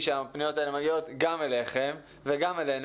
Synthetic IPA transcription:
ʃeapnijo̞taelumaɡio̞t̪ɡame̞leχe̞m | veɡamelen

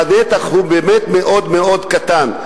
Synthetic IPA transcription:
anet̪aχɦubemet̪meʔod̪meod̪kat̪an

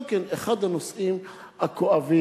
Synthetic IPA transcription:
mkeneχad̪hanosʔim | hakoʔavi

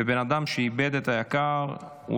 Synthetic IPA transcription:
ebenad̪amʃeibed̪et̪ajakaʁ | ṵ

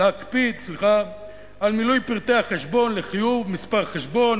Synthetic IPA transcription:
akpit̪sliχa | almilujpiʁt̪eaχeʃbo̞nleχijuvmispaʁχeʃbo̞n

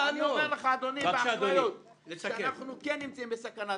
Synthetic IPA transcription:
aniomeʁləχaːd̪onibaojot̪ | ʃeanaχnukɛnːimt͡saimbəsakana

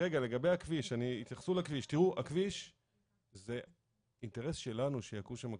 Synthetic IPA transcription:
eɡale̞ɡabejakviʃaniit̪jaχsulakviʃtiʁuʔakviʃ | ze̞ | inte̞ʁe̞sʃe̞lanuʃejakuʃamak

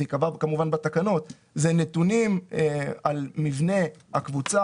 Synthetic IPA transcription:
ikavakamuvanbat̪akano̞t̪ | zenet̪unim | almivne̞hakvut͡sa

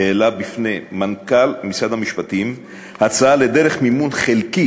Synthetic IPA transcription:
elabifnemankalmit͡sad̪amiʃpatim | hat͡saale̞d̪e̞ʁeχmimunχelki

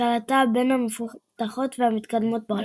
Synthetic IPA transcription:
alat̪abe̞nhamefut̪aχo̞t̪veamit̪kad̪mo̞t̪̚ba

